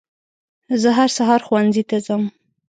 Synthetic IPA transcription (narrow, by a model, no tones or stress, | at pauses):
zəɦaɾsaɦɑɾxwanzit̪azəm